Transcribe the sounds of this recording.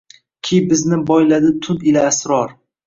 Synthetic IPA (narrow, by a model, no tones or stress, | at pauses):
kʲʰibɪznɪbɒjlad̪ɪt̪ʰʊnɪlaːsɾɒɾ